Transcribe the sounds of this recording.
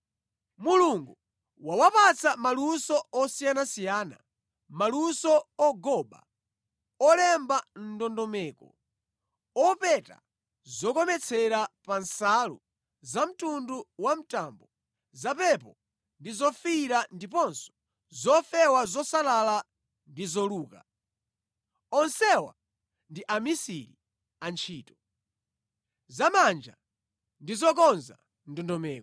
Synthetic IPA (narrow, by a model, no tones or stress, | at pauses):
muluŋɡu | wawapat͡sʰamalusɔɔsijanasijaːna̰ | malusɔɔɡɔba̰ | ɔlɛmban̩dɔndɔmɛːkɔ | ɔpɛta̰ | zɔkɔmɛt͡sʰɛɾapansalṵ | zam̩tunduwam̩taːmbɔ | zapɛpɔ | ndizɔfiɾandipɔnsɔ̥ | zɔfɛwazɔsalala | ndizɔluːka | ɔnsɛwa̰ | ndiʔamisiɾi | ant͡ʃʰiːtɔ | zamand͡ʒa̰ | ndizɔk̬ɔnza̰ | ndɔndɔmɛːk